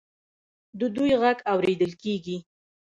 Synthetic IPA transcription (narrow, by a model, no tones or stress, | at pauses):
d̪əd̪ujɣaɡawɾed̪əlkeɡi